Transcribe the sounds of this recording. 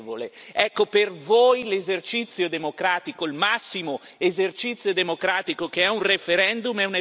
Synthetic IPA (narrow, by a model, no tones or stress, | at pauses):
voleɛkːopervojlezert͡ʃit̪sːjod̪emokɾaːt̪ikoilmasːimo | ezert͡ʃit̪sːjod̪emokɾaːt̪ikokeɛunrefeɾɛnd̪umɛune